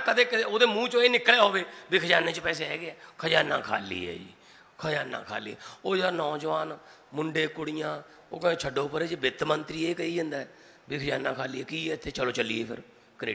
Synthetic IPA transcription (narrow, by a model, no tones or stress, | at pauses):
kəd̪eːkɪoːd̪eːmũːt͡ʃõːeːnɪkleːɦoːʋeːbɪkʰd͡ʒaːneːt͡ʃəpɛːseːɦɛːɡeɛːkʰəd͡ʒaːnã̰ːkʰa̰ːlḭːɛ̰ːd͡ʒḭː | kʰəd͡ʒaːna̰ːkʰa̰ːliːɛ̰ːoːaːnɔːd͡ʒʋaːn | mʊɳɖeːkʊɽɪjãː | oːkːt͡ʃʰəɖoːpəɾeːd͡ʒbɪt̪mənt̪ɾiːeːkəiːd͡ʒənd̪aːɛ | bɪkʰəd͡ʒaːnãːkʰaːliːɛːkiːt̪ʰːeːt͡ʃəloːt͡ʃəlḭːeːpʰɪ̰ɾ | kəɾeː